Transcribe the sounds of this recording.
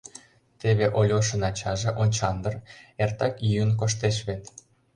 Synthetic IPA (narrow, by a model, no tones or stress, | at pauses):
t̪eβeʔolʲoʃə̆nɑt͡ɕɑʒĕʔonʲt͡ɕɑnd̪ə̆rert̪ɑkjyənk̬oʃt̪eʃ̬βet̪